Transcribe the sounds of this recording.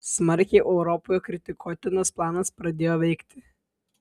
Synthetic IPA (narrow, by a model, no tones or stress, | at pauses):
smɐɾʲkʲɛɪʔɛʊɾɔpɔːjoːkɾʲɪt̪ʲɪkʰut̪ʲɪnosplˠɑːnɐspɾɐd̪ʲeːjoːʋʲɛɪkt̪ʲɪ